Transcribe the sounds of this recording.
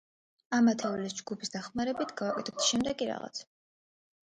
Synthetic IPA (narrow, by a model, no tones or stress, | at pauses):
amat̪ʰɛvlisd͡ʒɡupʰisd̪aχmaɾɛbit̪ʰɡavakʼɛt̪ʰɛp̚t̪ʰʃɛmd̪ɛɡiɾa̰ʁa̰t̪sʰɛ̥